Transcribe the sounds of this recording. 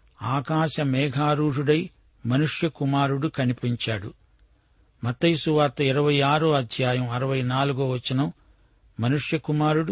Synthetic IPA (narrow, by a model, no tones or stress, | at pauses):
aːkaːʃɐmɛːɡʱaːɾuːʐuɽɐj | mɐnuʂjɐkumaːɾuɽukɐnipiɲt͡ʃaːɽṵ | mɐt̪ːɐjsuʋaːt̪ːɐiɾɐʋɐjaːɾuɐd̪ʱjaːjɐmɐɾɐʋɐjnaːluɡoːʋɐt͡ʃːinɐm | mɐnuʂjɐkumaːɾuɽu